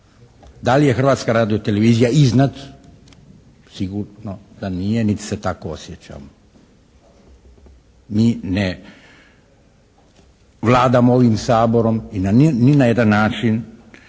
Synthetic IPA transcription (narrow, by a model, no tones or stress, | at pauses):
d̪alije̞xr̩ʋaːt̪skaɾaːd̪iot̪ele̞ʋiːzijaiznat̪ | siɡuɾnod̪̥anijenit̪i̥set̪akoosjet͡ɕa̰ːmo | miːne | ʋlˠaːd̪amooʋimsaːbo̞ɾo̞minaninajed̪anːaːt͡ʃin